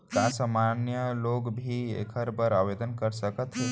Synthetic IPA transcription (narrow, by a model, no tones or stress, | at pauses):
t̪asəmanjəloɡbʱiḛkʰəɾbəɾaʋed̪ənkəɾsəkət̪ɦe